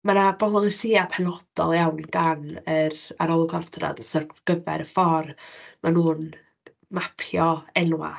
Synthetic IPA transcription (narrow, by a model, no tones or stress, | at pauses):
manabɔlˠɔlˠisiːapʰɛnɔd̥ɔ̰lˠjawnɡanəaɾɔlˠʊɡɔrdʰra̰dsərɡ̥əvɛ̰ɾəfɔrmanuːn | mapʰjɔɛnwa̰